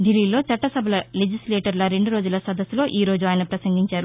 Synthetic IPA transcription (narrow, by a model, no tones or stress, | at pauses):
ɖilːiːlo̞ːt͡ʃɐʈːɐsɐbʱɐlɐled͡ʒislɛːʈɐɾlɐɾe̞ɳɖuɾoːd͡ʒulɐsɐd̪ɐsːulo̞ːʔiːɾo̞ːd͡ʒuaːjnɐpɾɐsɐŋɡiɲt͡ʃaːɾu